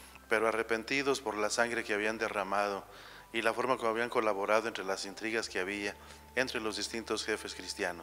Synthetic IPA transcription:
pe̞ɾoare̞pe̞nt̪iðo̞spo̞ɾlasaŋɡɾe̞keaβ̞iand̪eramað̞o̞ | ilafo̞ɾmakooaβiaŋko̞laβo̞ɾaðoent̪ɾelasint̪ɾiɣaskeaβia | ent̪ɾelo̞zðist̪int̪osxe̞fe̞skɾist̪janos

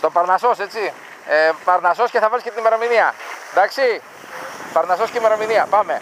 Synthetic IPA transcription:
st̪opɐɾnɐso̞set͡si | epɐɾnɐso̞sceθɐvɐlsket̪inmeɾɐminiɐd̪aksi | pɐɾnɐsosceimeɾominiɐpame̞

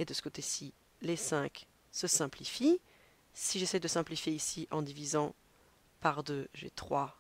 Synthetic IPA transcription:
ed̪əsə̥kot̪esi | lesɛ̃k | səsɛ̃plifi | siʒesɛjd̪əsɛ̃plifjeisiʔɑ̃d̪ivizɑ̃ | paʁd̪øʒḛt̪χwa

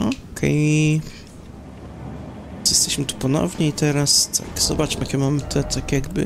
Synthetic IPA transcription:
ɔkʰɛ̰j | jɛst̪ɛɕmɘt̪u̥pɔnɔ̰vɲɛit̪ɛɾast̪ʰa̰kz̥ɔ̰bat͡ʂmʔakʲɛmamɘt̪ʰɛt̪ʰakʲjaɡbɘ̰

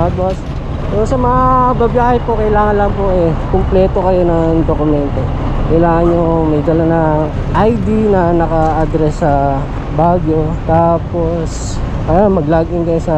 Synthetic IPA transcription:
at̪̚bas | tɛsɐmɐŋabɐbjaːhɛjpokɐjlaːŋɐnlɐŋpoʔɛkomplɛːt̪o̞kɐjo̞nɐŋd̪okʊmɛnt̪o | kɐjlaːŋɐnɲomɐjd̪ɐlanɐ | ʔɐjd̪inɐnɐkɐʔɐd̪ɾɛsːɐ | baɡjo̞t̪aːpo̞s | ʔamɐɡlaɡʔɪŋkɐjosɐ

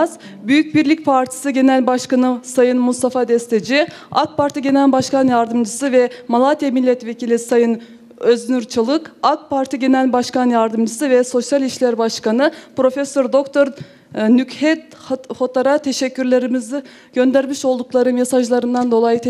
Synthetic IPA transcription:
z | byjyc̚biɾlʲic̚pʰaɾt̪ʰi̥sɯɟe̞nælʲbaʃkanɯsajɯnmust̪afad̪ɛst̪ʰe̞d͡ʒi | a̰k̚pʰaɾt̪ʰiɟe̞nælʲbaʃkanjaɾd̪ɯmd͡ʒɯsɯvɛmalˠat̪ʰijemilʲːɛt̪ve̞cʰilʲisajɯn | ø̞znyɾt͡ʃʰɯlˠɯkak̚pʰaɾt̪ʰiɟe̞nælʲbaʃkanjaɾd̪ɯmd͡ʒɯsɯvɛso̞sjalʲiʃlʲæɾbaʃkanɯpɾo̞fesøɾd̪o̞kt̪ʰo̞ɾ | nychɛt̪ | ho̞t̪ʰaɾat̪ʰeʃɛcʰːyɾlʲe̞ɾimizi | ɟ̥ø̞nd̪æɾmiʃo̞lˠd̪uklˠaɾɯnjasaʒlˠaɾɯnd̪and̪o̞lˠajɯt̪ʰ

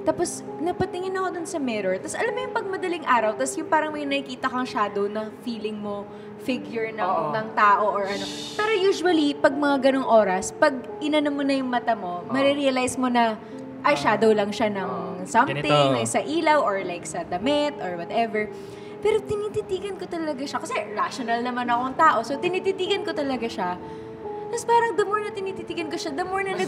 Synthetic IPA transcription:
t̪aːpo̞s | nɐpɐt̪ɪŋɪnɐkod̪onsɐmɛɾoɹt̪ɐsʔɐlɐmːojʊŋpɐɡ̚mɐd̪ɐlɪŋʔaːɾɐwt̪ɐsjʊŋpaːɾɐŋmɐjnɐkɪkiːt̪ɐkɐŋʃaːd̪ownɐfiːlɪŋmo̞ | fɪɡjʊɹnɐŋnɐŋt̪aːʔo̞ʔoɹʔɐno̞ | paːɾɐjuːʃʊwɐlipɐɡ̚mɐŋaɡɐnoŋʔo̞ːɾɐspɐɡ̚ | ʔɪnɐnomːonɐjʊŋmɐt̪ɐmo̞mɐɾiɾiɐlajsmo̞nɐ | ʔɐjʃaːd̪owlɐŋʃanɐŋsɐmt̪ɪŋlajksɐʔiːlɐwʔoɹlajksɐd̪ɐmɛt̪ʔoɹwɐt̪ɛvɛɹ | pɛːɾo̞t̪ɪniːt̪ɪnd̪iːɡɐnkot̪ɐlɐɡaʃakɐsɛɹaʃonɐlnɐmanɐko̞ɐŋt̪aːʔo̞sot̪ɪnit̪ɪnd̪iːɡɐnkot̪ɐlɐɡaʃa | t̪aspaːɾɐŋd̪ɐmoɹnɐt̪ɪniːt̪it̪iːɡɐnkoʃad̪ɐmoɹnɐnɐ

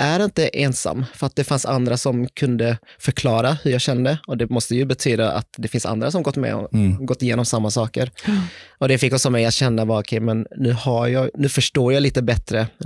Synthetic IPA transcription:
ʔæɾɪnt̪əʔɛːnsa̰mːfœɾat̪̚d̪ɛfansa̰nd̪ɾasɔmkʰɵnd̪əfœɾkʰlɑːɾahɵɾjɑːɡɕɛnd̪əɔd̪ɛmɔst̪əjɵbɛt̪ʰyːd̪aʔa̰t̪d̪ɛfɪnsa̰nd̪ɾasɔmɡɔt̪ːmɛ̰ɔ̰ɡɔt̪ːɪjeːnɔmsamːasɑːkəɾ | ɔd̪ɛfɪkːɔsɔmɛjat̪ɕɛnːabɑɾɔkʰɛjmɛnːʉ̟ːhajɑːnʉːfœʂʈoːɾjɑːliːt̪əbɛt̪ɾə

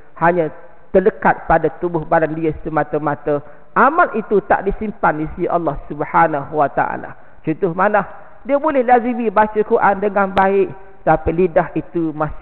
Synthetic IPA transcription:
haɲã | t̪ələkat̪̚padat̪ubʊhbalandiəsəmat̪əmat̪ə | ʔamalʔit̪ut̪a̰ʔdisimpanisiʔa̰lːɑhsubhanaɦuwat̪a̰ʔa̰la̰ | t͡ʃut̪ʊhmanah | diəbolɛhlazimibat͡ʃəkuɾʔandəŋanbaɪʔ̪ | ət̪apilidahit̪umas

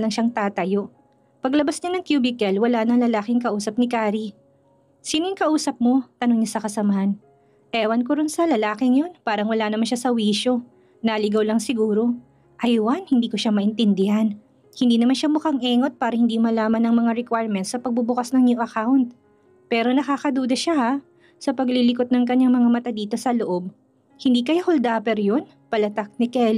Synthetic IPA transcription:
lɐŋʃaŋt̪aːt̪ɐjo̞ʔ | pɐɡlɐbasɲanɐŋkjuːbɪkɛlwɐlanɐŋlɐlaːkɪŋkɐʔuːsɐp̚nɪkaːɾi | siːnojʊŋkɐʔuːsɐp̚mo̞t̪ɐnoŋɲɐsɐkɐsɐmɐhan | ʔɛːwɐnkoɾʊnsɐlɐlaːkɪŋjo̞npaːɾɐŋwɐlanɐmanʃasɐwiːʃo̞ | naːlɪɡawlɐŋsɪɡuːɾo̞ | ʔɐjwanhɪnd̪iːko̞ʃamɐʔɪnt̪ɪnd̪ɪhan | hɪnd̪iːnɐmanʃamʊkaŋʔɛːŋo̞t̪̚paːɾɐhɪnd̪imɐlaːmɐnːɐŋmɐŋaɾɛkwajɾmɛnt̪sɐpɐɡ̚bʊbʊkasnɐŋɲuʔɐkawnt̪̚ | pɛːɾo̞nɐkaːkɐd̪uːd̪ɐʃaha | sɐpɐɡlilɪkot̪̚nɐŋkɐɲːaŋmɐŋamɐt̪ad̪iːt̪o̞sɐloʔo̞b̚ | hɪnd̪iːkɐjahold̪aːpɛɾjon | pɐlɐt̪ak̚nɪkɛl

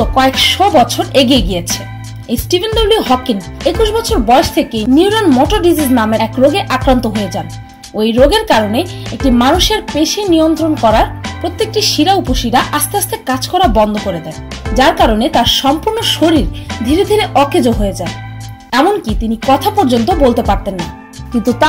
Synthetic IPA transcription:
okɔekʃɔbɔt͡ɕʰoɾeɡieɡiet͡ɕʰe | ejsʈibʱenɖoliɦɔkin | ekuʃbɔt͡ɕʰoɾbɔeʃt̪ʰekeniwɾanmɔʈoɾɖid͡ʑiznameɛkɾoɡeʔakɾant̪oɦoed͡ʑan | ojɾoɡeɾkaɾoneek̚ʈimanuʃeɾpeʃenijont̪ɾonkɔɾaɾpɾot̪ːek̚ʈiʃiɾaupoʃiɾaʔast̪east̪ʰeɾkad͡ʑkɔɾabɔnd̪ʱokoɾed̪ɛn | d͡ʑaɾkaɾonet̪aɾʃɔmpuɾnoʃoɾiɾd̪ʱiɾed̪ʱiɾeʔɔkʰed͡ʑoɦoed͡ʑan | ɛmonkit̪inikɔt̪ʰapɔɾd͡ʑont̪obolt̪epaɾt̪enːa | kint̪ut̪a

